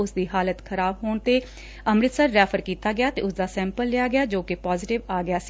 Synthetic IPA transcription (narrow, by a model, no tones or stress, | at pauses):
ʊsd̪iːɦaːlət̪kʰəɾaːbɦoːɳt̪eː | əmɾɪt̪səɾːɛːpʰəɾkiːt̪aːɡɪjaːt̪ḛːʊsd̪aːsɛ̃ːmpəlːɪaːɡɪjaːd͡ʒoːkɪpaːzɪʈɪʋaːɡɪjaːsiː